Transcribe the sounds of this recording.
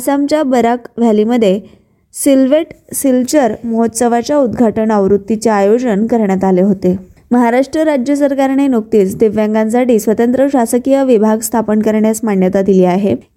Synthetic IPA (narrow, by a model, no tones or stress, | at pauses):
samt͡ɕjabəɾakʋ̤ʱjaliməd̪ʱːje | silʋeʈsilt͡ɕəɾməɦot̪səʋat͡ɕjaud̪ɡʱaʈəɳəʋɾut̪ːit͡ɕeajod͡ʑəɳkəɾɳjat̪aleɦot̪eməɦaɾaʂʈɾəɾad͡ʑjəsəɾkaɾɳinuk̚t̪iːt͡sd̪eʋjãŋɡãnsaʈiːsʋət̪ənt̪ɾəɕasəkijəʋibʱaɡst̪ʰapənkəɾɳjasmaɳjət̪ad̪iliaɦe